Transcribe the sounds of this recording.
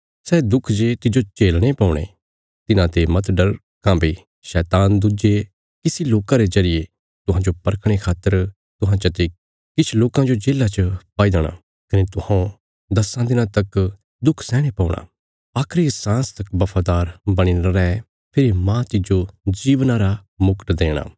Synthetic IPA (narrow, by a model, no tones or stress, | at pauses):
sɛːd̪ʊkʰd͡ʒet̪ɪd͡ʒot͡ʃeːlɽ̃epaːũɽ̃ḛː | t̪ɪnãt̪emɐt̪ɖɐɾ | kãːbe | ʃɛːt̪aːnd̪ʊd͡ʒe | kɪsiloːkãɾezɐɾɪje | t̪ʊɦãd͡ʒopɐɾkʰɽ̃ekʰaːt̪ːəɾ | t̪ʊɦãt͡ʃɐt̪e | kɪt͡ʃʰloːkãd͡ʒod͡ʒeːlat͡ʃəpaːid̪ɽ̃a̰ː | kɐnet̪ʊhãːõ | d̪ɐsãd̪ɪnãt̪ɐk | d̪ʊkʰsɛ̃ːɽ̃epaːũɽ̃a̰ː | aːkʰɾisãːst̪ɐkbɐpʰaːd̪aːɾbɐɽ̃inaɾɛ | pʰɪɾimãt͡ʃɪd͡ʒod͡ʒiːʋnãɾamʊkʈd̪eːɽ̃a̰ː